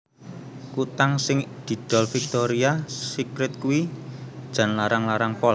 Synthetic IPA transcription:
kut̪aŋsɪŋd̪̥i̤d̪̥ɔ̤lfik̚t̪oɾiasikɾɪt̪̚kuwid̥ʒ̥a̤nlaɾaŋlaɾaŋpɔl

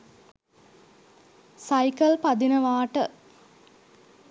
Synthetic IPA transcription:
sajkəlpad̪inəʋaːʈə

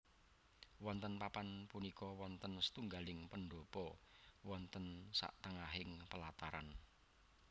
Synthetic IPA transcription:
wɔnt̪ənpapanpunikɔwɔnt̪ənsə̥t̪uŋɡalɪŋpəɳɖopɔwɔnt̪ənsa̰ʔt̪əŋaɦɪŋpəlat̪aɾa̰n

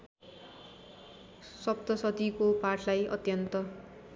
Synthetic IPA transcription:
sʌp̚t̪ʌsʌt̪ikopaʈʰlajʌ̰t̪jʌnt̪ʌ

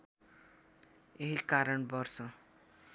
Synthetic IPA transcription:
eɦikaɾʌɳbʌrsʌ

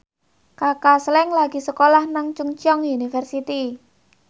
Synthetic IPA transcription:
kakaslɛŋlaɡisəkolahnaŋt͡ʃuŋt͡ʃɔŋunifərsit̪i

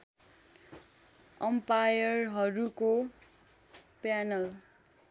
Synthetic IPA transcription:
ʌmpajʌrɦʌɾuko | pjanʌl

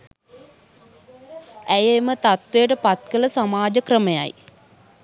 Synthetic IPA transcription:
æjemət̪at̪ʋejəʈəpat̪kələsamaːd͡ʒəkrəməja̰j

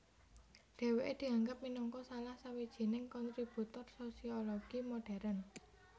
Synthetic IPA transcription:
ɖ̥e̤weʔed̪̥i̤aŋɡap̚minɔŋkɔsalahsawid̥ʒ̥i̤nɪŋkɔnt̪ɾib̥ut̪ɔrsosioloɡ̥imoɖ̥ɛ̤ɾən

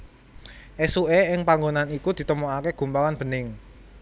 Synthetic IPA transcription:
ʔesueɪŋpaŋɡonanikud̪̥i̤t̪əmoakeɡ̥ṳmpawanb̥ə̤nɪŋ

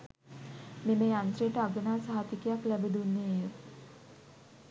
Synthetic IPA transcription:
meːmeːant̪rejəʈəaɡənaːsaɦat̪ikejaklæbəd̪unːeːjə

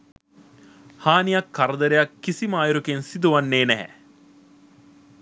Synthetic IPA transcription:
haːnijɐkːɐɾɐd̪ɐɾejɐkːisimaːjuɾukensid̪uʋɐnːeːnɛɦɛ̰

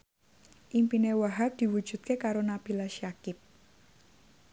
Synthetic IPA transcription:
ʔimpinewaɦak̚d̪̥i̤wud̥d͡ʒ̥ṳt̪̚kekaɾonab̥ilaʃjakɪp̚

